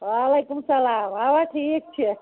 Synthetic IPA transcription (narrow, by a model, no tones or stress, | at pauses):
ʋaːlekumsɐlaːmabaʈʰik̚t͡ʃʰe